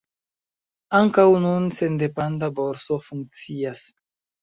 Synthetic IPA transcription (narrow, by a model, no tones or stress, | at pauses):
aŋkawnunsend̪epand̪aboɾsofuŋk̚t͡sias